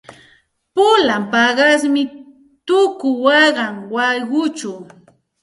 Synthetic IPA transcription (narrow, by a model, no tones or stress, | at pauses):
pʊlampɑɢɑsmɪ | t̪ʊkʊwɑɢɑŋwɑjɢʊt͡ʃaw